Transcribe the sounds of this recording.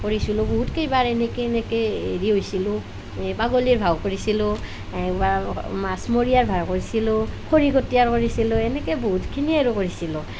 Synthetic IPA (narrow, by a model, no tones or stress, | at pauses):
koɹisilʊboɦutkejbaɹenɛkeːnɛkeḛɹiɦojsilʊ | baɡoliɹbʱawkoɹisilʊ | bamasmoɹijaɹbʱaɹkoɹisilʊkʰoɹiɡotijaɹkoɹisilʊɛnɛkeboɦutkʰinieɹukoɹisilʊ